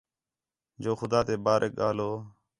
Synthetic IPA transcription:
d͡ʒoːxʊd̪aːt̪eːbaːɾʔek̚ɠaːloː

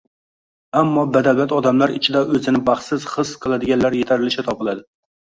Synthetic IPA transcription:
amːɒbæd̪ææt̪ɒd̪amlˠaɾɪ̰t͡ʃʰɪd̪ɛʔɵzɪnɪbɑχsɪzχɨsqʰɨlˠad̪ɪɡʲanlæɾjet̪ʰæɾɪlɪʃɪt̪ʰɒpɨlˠad̪ɪ

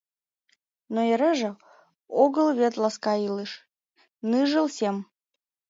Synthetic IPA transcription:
noeɾeʒə | oɡəlˠvʲet̪lˠaskɑilɨʃ | nɨʒəlˠsʲem

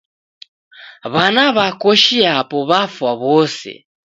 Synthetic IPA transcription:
βanaβakoʃiapɔβafwaβɔsɛ̰

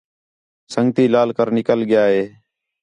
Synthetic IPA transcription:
səŋɡt̪iːlaːlkəɾnɪkəlɠɪjaːɦeː

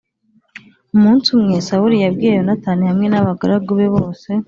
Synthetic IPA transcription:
umuːnsumŋeːsawuɾijabɡiejonataːnihamŋe̞naβaɡaɾaɡuβeβoːse̞

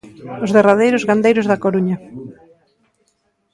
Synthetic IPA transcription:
ʊzðeraðejɾʊzɣand̪ejɾʊzðakoɾuɲɐ

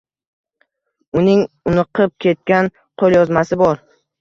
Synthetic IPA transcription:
ʊnɪŋ | ʊnɨqʰɨp̚kʲʰe̞t̪̚kʲan | qʰolˠjɒzmasɪbɒɾ

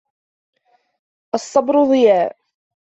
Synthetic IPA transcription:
ʔɑsˤːɑbɾʊðˤɨjaːʔ

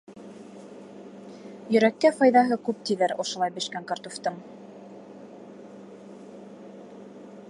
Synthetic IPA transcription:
jɵ̆ɾækːæfɑjðɑɦɤkʉp̚t̪iðæɾŏʃŏlˠɑjbɘ̆ʃkæŋkɑrt̪uft̪ɤɴ

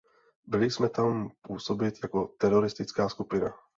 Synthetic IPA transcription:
bɪlɪsmɛt̪ampuːso̞bɪt̪jako̞t̪ɛɾoɾɪst̪ɪt͡skaːskupɪna

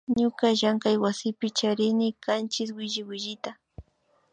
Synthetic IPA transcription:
ɲʊkaʒaŋkajwasɪpɪt͡ʃaɾɪnɪkant͡ʃɪswɪʒɪwɪʒɪt̪a

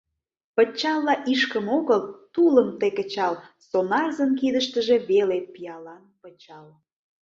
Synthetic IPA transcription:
pə̆t͡ɕɑlˠːɑʔiʃkəmoɣəlt̪uləmt̪ekət͡ɕɑlsonɑrzənkid̪əʃt̪əʒe̽βelepijɑlɑnpət͡ɕɑl

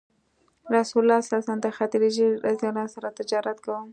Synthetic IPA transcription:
ɾasulːɑsalsand̪əxat̪ɪɾiʒiɾazjɑnɑsaɾat̪ɪd͡ʒɑɾat̪kawəm

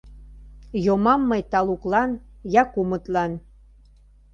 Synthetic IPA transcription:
jomɑmːəjt̪ɑluklɑn | jɑkumət̪lɑn

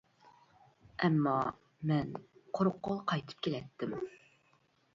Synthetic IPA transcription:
ɛmːɑ | mɛnqʰoɾqːolˠqʰɑjt̪ʰɨ̥p̚kʲʰelɛt̪ʰːɪm

